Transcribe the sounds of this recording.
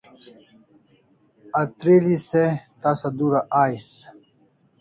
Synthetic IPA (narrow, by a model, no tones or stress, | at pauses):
ɐt̪ɾeliset̪asɐd̪uɾaʔaːjs